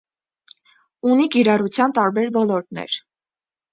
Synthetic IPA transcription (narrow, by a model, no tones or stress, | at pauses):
unikiɾɑrut͡sʰjɑnt̪ɑɾbɛɾvɔlɔɾt̪nɛ̰ɾ